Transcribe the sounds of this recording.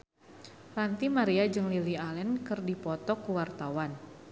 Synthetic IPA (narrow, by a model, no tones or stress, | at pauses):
rant̪imaɾiad͡ʒɨŋlilialɛnkɨrdipɔt̪ɔkuwart̪awan